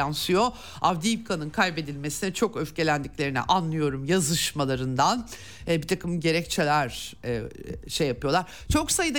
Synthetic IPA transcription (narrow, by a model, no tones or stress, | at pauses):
ansɯjo̞ | avd̪ijipkʰanɯnkʰajbe̞d̪ilʲme̞sinɛt͡ʃʰo̞køfce̞lʲænd̪iclʲe̞ɾinḭʔanlːˠɯjo̞ɾumjazɯʃmalˠaɾɯnd̪an | ɛbit̪ʰakʰɯmɟe̞ɾɛct͡ʃʰelʲæɾ | ʃejːapɯjo̞lˠaɾ̥ | t͡ʃʰo̞ksajɯd̪a